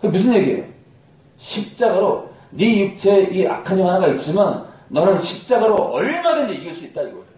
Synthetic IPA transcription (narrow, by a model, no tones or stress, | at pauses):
kɯemus̬ʰɯnje̞ɡiḛjo̰ | ɕʰip̚t͡ɕ͈aɡaɾo | ɾijuk̚t͡ɕʰe̞ia̰kʰaɲoɦanaɡait̚t͡ɕ͈imanːʌnɯnɕʰi̥p̚t͡ɕ͈aɡaɾoʌɭmadɯnd͡ʑiiɡɯɭs͈uit̚t͈aiɡʌeo